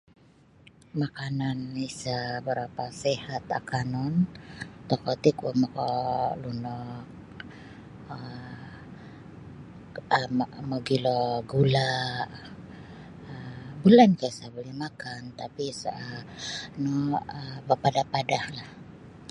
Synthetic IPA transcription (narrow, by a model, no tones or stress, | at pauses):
makananisabəɾapasehat̪a̰kanɔnt̪ɔkɔt̪ikuamokɔlunɔk̚ | ə | məɡiloɡula | əmbulankasabolihmakant̪apisə | nɔəbapadapadahlah